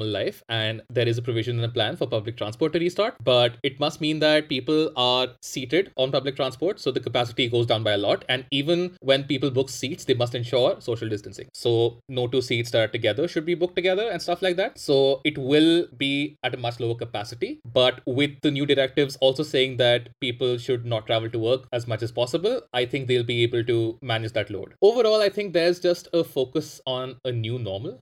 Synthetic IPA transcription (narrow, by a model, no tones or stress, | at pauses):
məllaɪfɛ̃ɳɖd̪eːɾɪzəpɾoʋɪʒə̃nɪ̃nəplæ̃nfɔɾpʌblɪk̚ʈʰɾãnspɔːɾʈːuɾiːsʈaːɾʈbʌʈɪʈ̚mɐsʈ̚mĩːnd̪æʈ̚piːpəlaːɾsiːʈeɖʔɔ̃ːnpʌblɪk̚ʈɾãːnspɔːɾʈsoːd̪əkəpæsɪ̥ʈiɡoːzɖãʊ̃nbaɪəlɔːʈɛ̃ɳɖiːʋə̃nʋɛ̃npiːpəlbʊksiːʈsd̪eːmɐs̬ʈɛ̃nʃɔːɾsoːʃəlɖɪsʈə̃nsɪ̰̃ŋsoːnoːʈuːsiːʈsaːɾʈ̚ʈːuɡɛd̪əɾʃʊɖ̚biːbʊk̚ʈːuɡɛd̪əɾɛ̃nsʈɐflaɪk̚d̪æʈ̚soːɪʈʋɪlbiːæʈəmʌt͡ʃloːəɾkəpæsɪʈibʌʈʋɪd̪̚ːənjuːɖɪɾɛk̚ʈɪʋzɔːlsoːseːɪ̃ŋd̪æʈ̚piːpəlʃʊɖ̚nɔʈ̚ʈːɾæʋəlʈuʋəːɾkæzmʌt͡ʃæz̥pɔsɪbəlaɪt̪ʰɪ̃ŋk̚d̪eːlbieːbəlʈumænɪd͡ʒd̪æʈlo̰ːɖoːʋəɾɔːlaɪt̪ʰɪ̃ŋk̚d̪ɛɾɪzd͡ʒʌsʈəfoːkəsɔ̃ːnənjuːnɔːɾməl